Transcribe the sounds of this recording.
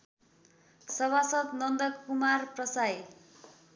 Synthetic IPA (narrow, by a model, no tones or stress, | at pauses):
sʌβasʌt̪nʌnd̪ʌkːumarprʌsaj